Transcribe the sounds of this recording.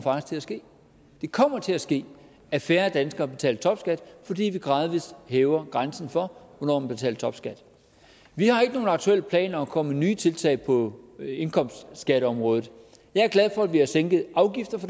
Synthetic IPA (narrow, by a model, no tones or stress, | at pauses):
fɑ̈ɡ̥̚ist͡sʰe̝æsɡ̥e̝̰ː | d̥e̝kʰɒ̽m̰ɐt͡sʰe̝læsɡ̥e̝̰ː | æɐfæɐd̥ænsɡ̥ɐb̥e̝t͡sʰɛ̰ːlət͡sʰɒ̽b̥sɡ̥æd̥fɒ̽dḭːʋiɡ̥ʁɑ̈ːð̞ˠʋishɛːʊɐɡ̥ʁansn̩fɒ̽ʋɒnɒ̰ːmænb̥e̝t͡sʰɛ̰ːlt͡sʰɒ̽b̥sɡ̥æd̥ | ʋihɑ̈e̝ɡ̥əno̝ːn̩ɑ̈ɡ̥̚t͡sʰuel̰əpʰlɛ̰ːnɒkʰɒ̽məənyːt͡sʰe̝lt͡sʰɛ̰ːɪpʰɒ̽e̝nkʰɒ̽m̰sd̥sɡ̥æɾəɒ̽mʁɔ̽ːð̩ˠ | jɑ̈ɪæɐɡ̥læð̞ˠfɒ̽ædʋihɑ̈seŋ̰ɡ̥ð̩ˠʔɑ̈ʊɡ̥ifd̥ɐfɒ̽